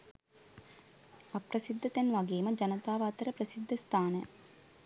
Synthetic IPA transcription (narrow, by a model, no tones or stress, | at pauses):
ɐprɐsid̪ʱːɐt̪ɛnʋaɡeːməd͡ʒɐnɐt̪aːʋat̪əɾəpɾəsid̪ʱːəst̪ʰaːnə